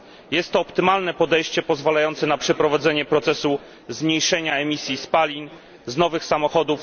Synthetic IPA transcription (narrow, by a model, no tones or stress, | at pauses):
jɛst̪ːɔːpt̪ɘmalnɛpɔd̪ɛjɕt͡ɕɛpɔzvalajɔnt̪sɛnapʂɛpɾɔvad̪zɛɲɛpɾɔt̪sɛsu | zmɲejʂɛɲaɛmʲisʲjispalʲin | znɔvɘxsamɔxɔd̪uf